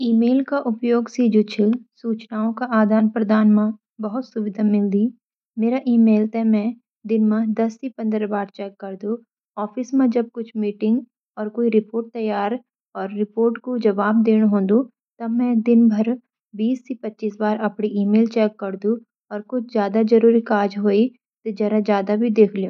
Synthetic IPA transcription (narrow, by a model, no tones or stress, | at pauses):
iːmeːlkaʔʊpjoːɡsid͡ʒot͡ʃʰesuːt͡ʃnaːõkaʔaːd̪ʱaːnpɾɐd̪aːnmã | bɐɦʊt̪sʊʋɪd̪ʱamɪld̪iː | meːɾaʔiːmeːlt̪ɛmɛ̃ | d̪ɪnmãd̪ɐst̪ipɐ̃nd̪ɾəbaːɾt͡ʃɛːkːɐɾd̪ũ | ɔːfɪsmẽd͡ʒɐb̚kʊt͡ʃʰmiːʈɪ̃ŋɡ | ɔːɾkoːiɾɪpoːɾʈ̚t̪ɐjaːɾ | ɔːɾːɪpoːɾʈkod͡ʒɐʋaːb̚d̪eːɽ̃ɦõːnd̪u | t̪ɐmɛ̃d̪ɪnbʱɐɾ | biːst̪ipɐtːʃiːsbaːɾɐpɽiʔiːmeːlt͡ʃɛːkːɐɾd̪ũ | ɔːɾkʊt͡ʃʰzjaːd̪ad͡ʒɐɾuːɾikaːd͡ʒɦoːi | t̪ed͡ʒɐɾazjaːd̪abʱid̪eːkʰlijũː